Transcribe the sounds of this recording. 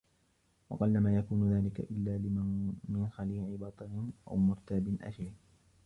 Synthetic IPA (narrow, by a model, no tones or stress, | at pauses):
wɑ̰qɑlːamaːjakuːnʊðaːlɪka̰ʔɪlːaːlɪmɪnxaliːʕɪbɑt̪ˤɨnʔa̰wmʊɾt̪aːbɪnʔa̰d͡ʒalɪh